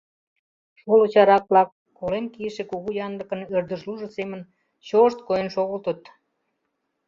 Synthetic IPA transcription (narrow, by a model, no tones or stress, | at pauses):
ʃolot͡ɕɑɾɑk̚βlɑkːolenkiʃekuɣujɑnd̪ə̆kə̆nørd̪əʃluʒəsemən | t͡ɕoʃt̪kojenʃoɣəlt̪ət̪